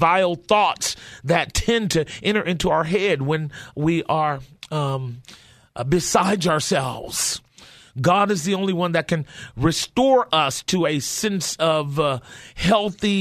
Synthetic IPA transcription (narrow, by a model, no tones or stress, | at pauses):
vaɪl̩ˠθɔtsðɨtʰɛ̃ntʰɨʔɛ̃ɾ̃ə˞ʔɪ̃ntuaʊə˞ɦɛd̚wɨ̃nwiʔə˞ | bɨsaɪdzə˞sɛlˠvz̥ | ɡɑɾɨzðiõʊ̃nliwʌ̃nðɨt̚kʰɨ̃nɹɨstɔɹʔʌstʰɨɨsɛ̃nsʌvhɛlˠθi